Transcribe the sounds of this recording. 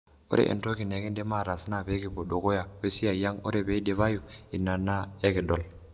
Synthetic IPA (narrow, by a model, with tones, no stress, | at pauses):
o̰˦ɾḛ˨ʔḛ˨nto˦ki˨ne˨ɡi˦nde˦ma˦˨ɾa˨si˦na˦˨be˦ki˨bo˨do˨ko˦ja˨we˦si˦ja˨ja˦ŋo˦ɾe˨be˨˦i˦de˦βa˦ju˨i˨nːa˨nːa˦e˦ki˨do˨l